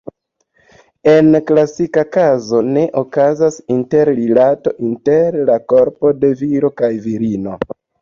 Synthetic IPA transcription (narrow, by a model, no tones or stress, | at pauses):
e̞nklasikakazo̞ne̞ʔokazasinte̞ɾlilato̞ʔinte̞ɾlako̞ɾpo̞de̞viɾo̞kajviɾino̞